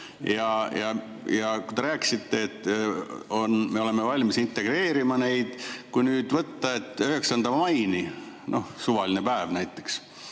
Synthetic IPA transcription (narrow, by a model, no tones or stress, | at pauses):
jɑjɑ | jɑkujd̪e̞ɾæːki̥sit̪ːe̞ːt̪ːonme̞o̞le̞mevɑlʲmisint̪ːe̞ɡ̥re̞ːɾimɑne̞jd̪̥kujnyːd̪vɤt̪ːɑe̞t̪ːˑøhe̞ksɑnd̪ɑmɑjni | nʔo̞hsuvɑlinepæevnæjt̪ˑːe̞̥ks